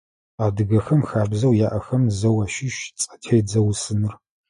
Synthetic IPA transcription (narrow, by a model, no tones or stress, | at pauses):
aːdɨɡɐxɐmxaːbzɐwjaːʔɐxɐmzɐwɐːʃɪʃt͡sʼɐ̥tʰeːd͡zɐwsɨnɨr